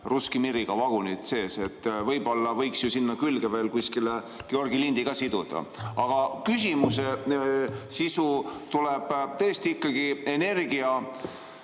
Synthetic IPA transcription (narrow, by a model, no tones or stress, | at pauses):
ruskimiɾiɡ̥ɑvɑɡ̥unit̪se̞ːse̞t̪ːvɤjbo̞lːɑvɤjksjusinːɑkylɡeve̞ːlkuskile | ɡ̥eo̞rɡilind̪̥iɡ̥ɑsid̪̥ud̪̥ɑ̰ɑɡ̥ɑkysʲimuse̞ | sisut̪uleb̥t̪ɤjest̪iikːˑɑɡ̥ie̞ne̞rɡiɑ